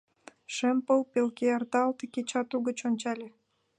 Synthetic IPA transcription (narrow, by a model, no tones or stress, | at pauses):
ʃempəlˠpelkeɑrt̪ɑlt̪əket͡ɕɑt̪uɣə̆t͡ɕonʲt͡ɕɑlʲĕ